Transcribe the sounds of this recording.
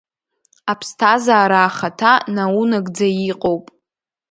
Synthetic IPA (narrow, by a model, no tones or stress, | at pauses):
apʰstʰazaːɾaːχatʰanaunaɡʼd͡zajiqʼo̞wpʼ